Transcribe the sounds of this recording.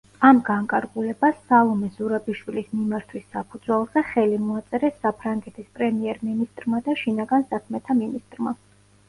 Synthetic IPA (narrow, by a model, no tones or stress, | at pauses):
amɡaŋkʼaɾɡulɛbasːalˠɔmɛzuɾabiʃwilismimaɾt̪ʰwisːapʰud̪zwɛlˠzɛχɛlimɔat̪sʼɛɾɛsːapʰɾaŋɡɛt̪ʰispʼɾɛmiɛɾminist̪ʼɾmad̪aʃinaɡansakʰmɛt̪ʰaminist̪ʼɾma